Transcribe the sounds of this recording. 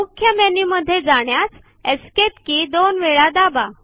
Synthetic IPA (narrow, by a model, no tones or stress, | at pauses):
mukʰːjəmeniməd̪ʱːjed͡zaɳjat͡s | eskepkid̪onʋeɭad̪aba